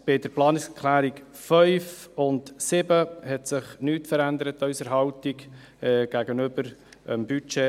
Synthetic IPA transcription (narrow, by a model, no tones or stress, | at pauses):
b̥ɪdəɾplɑːnɪksəkʰlæːɾik | fœʏfʊntsɪbəhɛtsɪχnyːtfəɾændəɾətœɥsəɾɦɑwtiɡ | ɛɡ̥æɡənøbəɾəmbyt͡ʃe